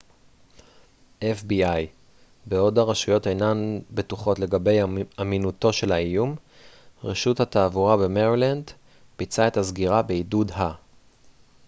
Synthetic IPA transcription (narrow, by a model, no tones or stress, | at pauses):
ʔefbiaj | beo̞daʁaʃujo̞tejnanbe̞tuχo̞tle̞ɡabe̞jaminuto̞ʃe̞laijum | ʁeʃuthataːvuʁabe̞meʁiland | b̥it͡sae̞tazɡiʁabe̞idudɦa